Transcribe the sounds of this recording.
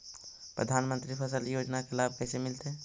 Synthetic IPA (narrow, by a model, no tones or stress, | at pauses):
pɾəd̪ʱaːnmə̃nt̪ɾipʰəsəljoːd͡ʒnakelaːb̚kɛːsemɪlt̪eɦɛː